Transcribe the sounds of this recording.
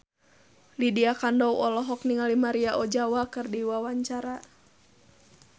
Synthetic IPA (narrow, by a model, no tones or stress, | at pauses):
lidiakandɔwɔlɔɦɔk̚niŋalimaɾiaʔɔd͡ʒawakɨrdiwawaɲt͡ʃaɾa